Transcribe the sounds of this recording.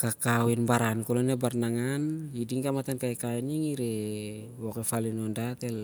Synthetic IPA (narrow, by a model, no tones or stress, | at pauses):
kakawinbaɾankulɔnebarnaŋanidiŋkamat̪ankaikainiŋiɾewɔkefalinɔndat̪ɛl